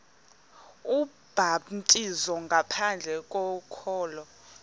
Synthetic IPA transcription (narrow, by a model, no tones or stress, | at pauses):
u | b̥ʱatʼizɔŋɡʱapʰand͡ɮʱɛk̬ʼɔkʰɔːlɔ